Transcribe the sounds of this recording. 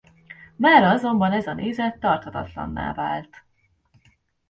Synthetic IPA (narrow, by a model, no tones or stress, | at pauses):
maːɾɒzo̞mbɒnɛzɒnʔeːzɛt̪ːɒrt̪hɒt̪ɒ̰t̪lɒ̰nːa̰ːva̰ːlt̪